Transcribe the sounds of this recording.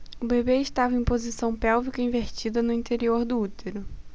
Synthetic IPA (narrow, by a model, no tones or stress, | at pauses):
ʊbebeɪʃt̪avɐẽj̃pozisɐ̃w̃pɛwvikɐĩveɾt͡ʃid̪ɐnʊĩnt̪eɾioɾd̪ʊut̪ʰeɾʊ